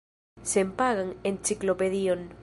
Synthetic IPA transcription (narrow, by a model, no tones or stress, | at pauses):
sempaɣaŋent͡ʃiklopeðion